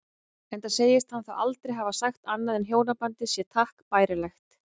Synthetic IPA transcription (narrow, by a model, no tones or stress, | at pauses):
ɛnt̪aseːjɪst̪hanθawalt̪ɾejɦavasaxt̪anːaðɛnɦjoːwnapant̪ɪsjɛt̪ʰahkpaːjɾɪlɛxt̪